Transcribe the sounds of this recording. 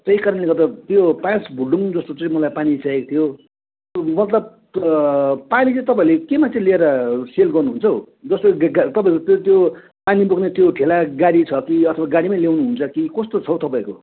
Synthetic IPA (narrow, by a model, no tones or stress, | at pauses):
t̪eikaɾʌnleɡʌt̪at̪jopãsbʱuɖuŋd͡zʌst̪ot͡sʌ̃ĩmʌlajpanit͡sajekt̪ʰijo | mʌt̪lʌb̚ | panit͡sʌĩt̪ʌp̬aĩlekemant͡sʰẽlieɾʌselɡʌrnuɦunt͡sʰʌw | d͡zʌst̪oɡt̪ʌpaĩkot̪ot̪jo | panibuɡnet̪joʈʰelaɡaɽit͡sʰʌkiʌt̪ʰʌbaɡaɽimajljawnuɦunt͡sʰʌkikʌst̪ot͡sʰʌwt̪ʌpãĩko̰